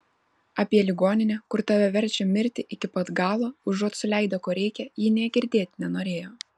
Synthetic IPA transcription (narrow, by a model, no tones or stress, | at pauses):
ɑːpʲiɛlʲɪɡoːnʲɪnʲɛkʊɾt̪ɐʋʲɛʋʲɛɾʲt͡ʃʲɛmʲɪɾʲt̪ʲɪʔɪkʲɪpɐt̪ɡɑːlˠoːʊʒuɔt̪sʊlʲæˑɪd̪okoːɾʲɛɪkʲɛjiːnʲɛːɡʲɪɾʲd̪ʲeːt̪ʲnʲɛnoːɾʲeːjoː